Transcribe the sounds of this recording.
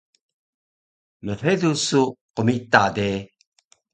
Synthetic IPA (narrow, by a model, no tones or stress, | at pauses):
məredusuqəmitade